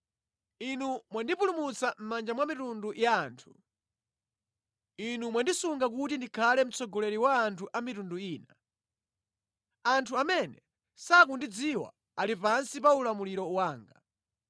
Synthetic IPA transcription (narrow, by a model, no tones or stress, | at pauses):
inumwandipulumut͡sam̩mand͡ʒamwamitundujaːntʰu̥ | inumwandisuŋɡak̬utindikʰalɛm̩t͡sɔɡɔlɛɾiwaːntʰuʔamitunduiːna | antʰuamɛnɛ | sakundid͡ziwa̰ | alipansipaulamuliɾɔwaːŋɡa̰